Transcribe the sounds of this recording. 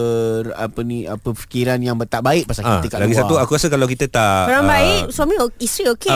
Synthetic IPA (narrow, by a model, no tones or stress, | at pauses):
əra̰pənĩʔa̰pəfi̥kiɾanjaŋbət̪aʔbaɪʔ̚pasalkit̪əkaʔlaɡissauakuɾasəkalawkit̪ət̪aʔaɾaŋbaɪʔswamĩoist̪ɾioke